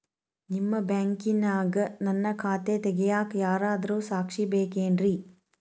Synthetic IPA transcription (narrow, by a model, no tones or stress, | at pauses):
nimːɐbjaːŋkinːaːɡɐnɐnːɐkʰaːt̪et̪ɛɡɛjaːkjaːɾaːd̪ɐɾuːsaːkʂibeːkeːnɾi